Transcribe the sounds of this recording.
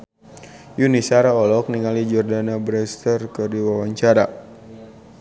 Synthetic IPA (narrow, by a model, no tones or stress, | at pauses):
junisaɾaɔlɔk̚niŋalid͡ʒɔrdanabɾɛst̪ərkərdiwawaɲt͡ʃaɾa